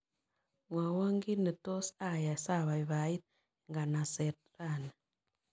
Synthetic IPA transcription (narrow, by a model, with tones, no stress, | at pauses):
ŋwa˨wa˦ŋɡi˦ni˨to˦sa˦˨ja˨sa˦βa˨iβa˨i˦t̪̚ | ŋɡa˨na˨se˨tɾa˨na˨